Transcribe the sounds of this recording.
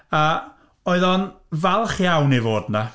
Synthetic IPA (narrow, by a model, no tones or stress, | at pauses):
a | oɨðɔn | valˠχjawnivoːdna